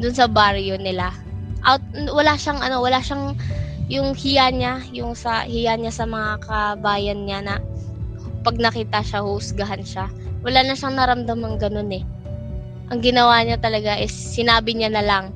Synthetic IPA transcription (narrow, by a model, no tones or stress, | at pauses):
d̪ʊnsɐbaɾjonɪla | ʔat̪̚wɐlaʃaŋʔɐno̞wɐlaʃaŋjʊŋhɪjaɲajʊŋsɐ̰hɪjaɲasɐmɐŋakɐbaːjɐnɲanɐ | pɐɡ̚nɐkiːt̪ɐʃahʊʔʊsɡɐɦanʃawɐlaːnɐʃaŋnɐɾɐmd̪amɐŋɡɐno̞nɛ | ʔɐŋɡɪnɐwaɲat̪ɐlɐɡaʔɛːɪnaːbɪɲanɐlaŋ